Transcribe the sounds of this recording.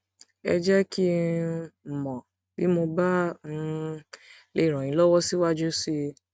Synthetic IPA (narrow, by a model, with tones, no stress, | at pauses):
ɛ̰˧d͡ʒɛ˦ki˦˨ | mɔ̃˨ | ti˨˦mo˧ba˦˨˦ | le˦˨ɾ̃ɔ̃˨ĩ˨˦lɔ˦wɔ˦si˦wa˦d͡ʒu˦si˦